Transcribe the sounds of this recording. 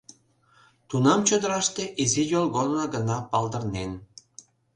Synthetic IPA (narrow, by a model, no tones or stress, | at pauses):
t̪unɑmt͡ɕod̪əɾɑʃt̪eʔizijolɣonːɑɡə̆nɑpɑld̪ə̆rnen